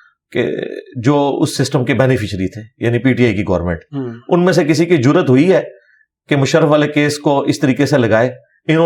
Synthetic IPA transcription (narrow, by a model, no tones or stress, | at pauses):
kḛd͡ʒoːʊ̰sːɪsʈəmkebɛːnɪfɪʃɾit̪ʰeːjaːnipiːʈiːaːikiɡɔːɾmḛ̃ɳʈʊnmẽsek̬ɪs̬ikid͡ʒʊɾət̪ɦoiɦɛː | kemʊʃəɾːəfʋaːlekeːskoʔɪst̪ɐɾiːkeselɐɡaːe | ɪn